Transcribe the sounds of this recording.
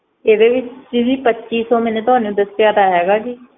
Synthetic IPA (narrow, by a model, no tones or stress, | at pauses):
eːd̪eːʋɪt͡ʃɪziːpətːʃiːsɔːmɛ̃ːneːt̪ʊɦaːnũd̪əst̪jaːd̪aːɦɛːɡaːd͡ʒiː